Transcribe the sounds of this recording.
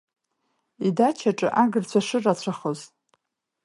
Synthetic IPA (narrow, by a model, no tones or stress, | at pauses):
idat͡ʃʰaʈ͡ʂʼɨ̰ʔaɡɨrt͡ɕʷʰaʂɨrat͡ɕʷʰaχoz